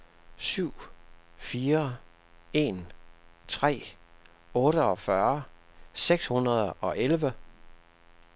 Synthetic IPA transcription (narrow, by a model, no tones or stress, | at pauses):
syʊ̰fiːɐ | e̝ːnt͡sʰʁɛ̰ː | ɔ̽ːɾəɒ̽fɶɐseɡ̥shunɐð̞ˠɒ̽ʔelʋə